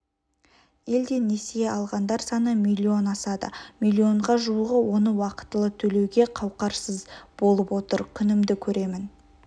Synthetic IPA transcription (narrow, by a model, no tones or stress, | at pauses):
e̞ld̪e̞ne̞seɑlˠʁɑnd̪ɑɾsɑnəmilʲːio̞nɑsɑd̪ə̰milʲːio̞ɴʁɑʒuwəʁəwo̞nəwɑqə̥t̪ːəlˠət̪ʰɵle̞wɡʲe̞qʰɑwqɑɾsəzb̥o̞lˠəpwo̞t̪əɾkʲʰʏnɪmd̪ɪkʲʰɵɾe̞mɪn